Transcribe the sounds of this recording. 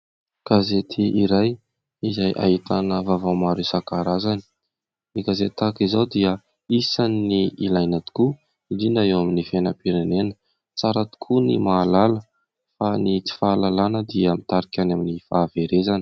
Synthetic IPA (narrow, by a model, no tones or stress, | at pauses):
ɡ̥azet̪ʰiʔiɾaj | izajʔa̰ɦit̪anəvavamaɾisakaɾazani̥ | niɡazet̪akizawd̪iə | isaniiilajnat̪u̥ku | id̪inaewaminifenəpiɾenenə̥ | t͡saɾat̪u̥kʰunimaːlalə | fanit͡si̥faːlalanəd̪iamit̪aɾikʲanaminifaːveɾezan